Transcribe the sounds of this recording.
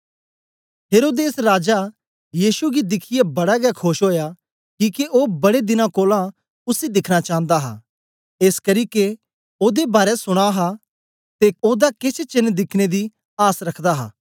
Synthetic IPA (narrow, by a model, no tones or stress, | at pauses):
ɦeːɾoːd̪eːsɾaːd͡ʒa | jiːʃuɡid̪ɪkʰɪjebɐɽaɡɛkʰoːʃɦoːja | kiːkeʔoːbɐɽed̪ɪnãkoːlã | ʊsid̪ɪkʰñat͡ʃãːə̃nd̪aɦa̰ː | eːskɐɾiːke | oːd̪ebaːɾɛsʊɽ̃aɦa | t̪eoːd̪akɪt͡ʃʰt͡ʃɪnːd̪ɪkʰned̪i | aːsɾɐkʰd̪aɦa̰ː